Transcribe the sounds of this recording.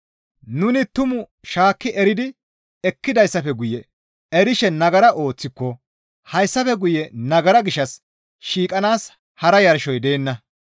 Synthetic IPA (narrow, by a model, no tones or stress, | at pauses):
nʊnɪt̪ʊmʊ | ʃaːkːɪɛɾɪd̪ɪ | ɛkːɪd̪ɐjsːɐfɛɡʊjɛ | ɛɾɪʃɛnɐɡɐɾɐʔo̞ːt͡sːɪkːɔ | hɐjsːɐfɛɡʊjɛnɐɡɐɾɐɡɪʃːɐs | ʃiːkʼɐnaːs | hɐɾɐjɐɾʃɔjd̪eːnːɐ